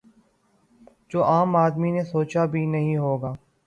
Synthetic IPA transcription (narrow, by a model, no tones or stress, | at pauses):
d͡ʒoːʔaːmaːd̪minesoːt͡ʃabʱinəɦĩɦoːɡaː